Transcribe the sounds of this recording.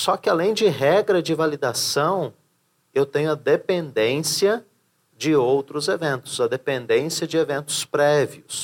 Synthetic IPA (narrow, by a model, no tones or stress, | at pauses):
sɔkɪalẽj̃d͡ʒɪɦɛɡɾɐd͡ʒɪvalid̪asɐ̃w̃ | ewt̪ẽɲʊɐd̪epẽnd̪ẽsiɐ | d͡ʒɪowt̪ɾʊzevẽnt̪ʊ̥zɐd̪epẽnd̪ẽsjɐd͡ʒɪevẽnt̪ʊ̥spɾɛviʊs